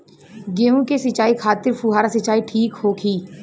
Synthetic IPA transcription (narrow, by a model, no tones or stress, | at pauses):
ɡeːũkesɪt͡ʃaːikʰaːt̪ɪɾfuːɦaːɾasɪt͡ʃaːiʈʰiːkhoːkʰiː